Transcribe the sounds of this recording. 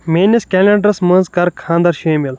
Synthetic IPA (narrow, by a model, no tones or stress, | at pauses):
meːnʲɐskʲeːlʲeɳɖɐɾsmə̃ːnzkɐɾkʰãːnd̪ɐɾʃeːmil